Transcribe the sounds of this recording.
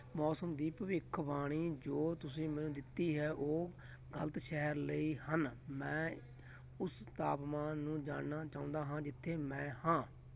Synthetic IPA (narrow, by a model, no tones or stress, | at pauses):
mɔːsəmd̪iːpəʋɪkʰːbaːɽ̃iːd͡ʒoːt̪ʊsĩːmɛ̃ːnũːd̪ɪt̪ːiːɦɛːʔoː | ɡələt̪ʃɛɦəɾləiːhənmɛ̃ː | ʊst̪aːpmãːnũːd͡ʒa̰ːnnaːt͡ʃaːʊ̃ːnd̪aːɦãːd͡ʒɪt̪ʰːeːmɛ̃ːhãː